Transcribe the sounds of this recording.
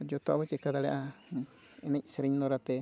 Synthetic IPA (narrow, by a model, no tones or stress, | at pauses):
d͡ʒot̪oʔaβet͡ʃekad̪aleʔa | enẽiseɾeɲnoɾat̪e